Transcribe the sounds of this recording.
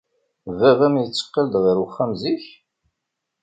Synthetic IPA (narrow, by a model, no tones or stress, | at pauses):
vævæmjət͡sːə̥qːəld̪ʁiɾwəχːæmziç